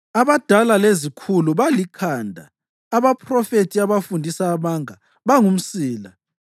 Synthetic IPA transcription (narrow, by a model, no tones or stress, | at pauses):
aβad̥ʱalalezikʰuluβalikʰaːndʱa̰ː | βapʰrɔfetʰiaβafundʱisaːmaŋa | βaŋum̩siːla